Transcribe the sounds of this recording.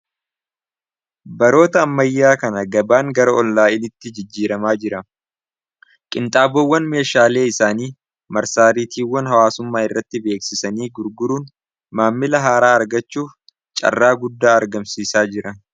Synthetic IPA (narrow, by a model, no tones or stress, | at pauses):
bɐɾo̞ːt̪ɐːmːɐjːaːkɐnɐɡɐbaːŋɡɐɾɐɔlːaːɪnɪt̪ːɪd͡ʒɪd͡ʒːiːɾɐmaːd͡ʒɪɾɐ | kʼɪnt̪ʼaːbowːɐnme̞ːʃaːle̞ːɪsaːniː | mɐɾsaːɾit̪ʰiːwːɐnɦɐwaːsʊmːaːɪrːɐt̪ːɪbe̞ːksɪsɐniːɡʊɾɡʊɾuːn | maːmːɪlɐɦaːɾaːɐɾɡɐt͡ʃːuːf | t͡ʃʼɐ̰rːaːɡʊd̪ːaːɐɾɡɐmsiːsaːd͡ʒɪɾɐ